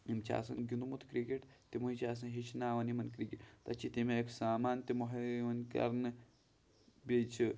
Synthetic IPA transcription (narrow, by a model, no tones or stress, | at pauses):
imt͡ʃʰa̰ːsɐ̰nɡʲinumut̪kɾikeʈt̪imuɦit͡ʃʰaːs̬ɐnɦit͡ʃʰnaːʋɐnimɐnkɾikiʈt̪ɐt͡ʃʰːit̪imeeksaːmaːnt̪imoɦɐmɐnkɐ̰ɾnɨ | bet͡ʃʰi